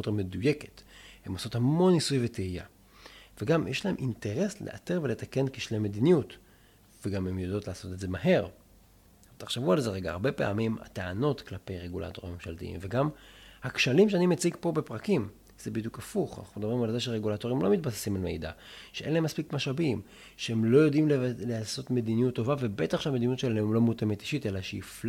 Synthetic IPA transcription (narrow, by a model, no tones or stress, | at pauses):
ot̪me̞duje̞ke̞̥themoso̞thamo̞nːisujveteija̰ | veɡamjeʃlae̞mʔinte̞ʁe̞slḛʔateʁve̞le̞t̪ake̞nkiʃlemːed̪inijut | veɡamemjodo̞tlaːso̞t̪edze̞maɦe̞ʁ | t̪aχʃevualze̞ʁe̞ɡa̰ːʁbe̞pe̞̰a̰mima̰teano̞tklape̞jʁeɡula̰to̞ʁimːe̞mʃaltḭḭmveɡamhakʃalimʃeanimet͡siɡpo̞bepʁakim | z̥ebid̪jukafuχa̰naχumd̪abʁimalzeʃeʁeɡulato̞ʁimlo̞mit̪̚base̥simalme̞̰jda̰ʃeʔenleemːaspikmaʃabim | ʃehemlo̞jo̞dimlleaso̞t̪me̞d̪inijutːo̞vave̞bet̪aχʃeamed̪injutʃelalemlo̞mutemet̪i̥ʃite̞laʃeifl